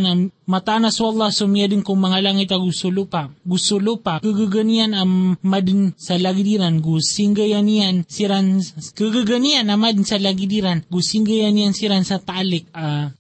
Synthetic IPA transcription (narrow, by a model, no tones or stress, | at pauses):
namat̪anasualˠːasomiadənkʊŋmaŋalaŋɪt̪aɡusulupaɡusulupakəɡəɡənianamad̪nsalaɡidiɾanɡusiŋɡajanijansiɾankəɡəɡənianamad̪nsalaɡid̪iɾanɡusiŋɡajanijansiɾansat̪alɪk̚a